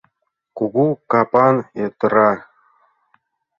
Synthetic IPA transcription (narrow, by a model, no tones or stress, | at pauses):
kuɡukɑpɑnet̪ɤɾɑ